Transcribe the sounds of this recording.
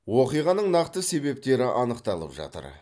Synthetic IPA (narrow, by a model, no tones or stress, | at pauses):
woqijʁɑnəɴnɑqt̪əse̞be̞p̚t̪e̞ɾɪʔɑnəqt̪ɑlˠə̰pʒɑ̰t̪ə̰ɾ